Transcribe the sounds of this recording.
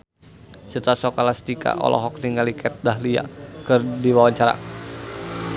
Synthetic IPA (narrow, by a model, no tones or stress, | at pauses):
sət̪asɔkalast̪ika̰ʔɔ̰lɔ̰ɦɔk̚niŋalikɛt̪̚daɦlia̰kɨrdiwawaɲt͡ʃaɾa̰